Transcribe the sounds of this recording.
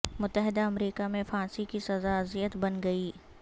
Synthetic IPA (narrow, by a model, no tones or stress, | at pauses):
mʊt̪ːəɦɪd̪aɐmɾiːkamẽfãːsikisɐzaɐzijət̪bɐnɡɐiː